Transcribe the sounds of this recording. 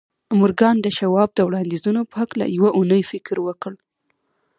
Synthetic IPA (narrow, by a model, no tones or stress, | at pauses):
mʊɾɡɑnd̪əʃawɑb̚d̪əwɽɑnd̪izunopəɦakla̰jawaʔunəjfɪkɾwəkəɽ